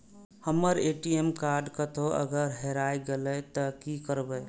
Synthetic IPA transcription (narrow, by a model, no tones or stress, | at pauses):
həmːəɾeʈiemkaɾɖkət̪oʔə̰ɡəɾɦeɾajɡelɛt̪əkikəɾbɛ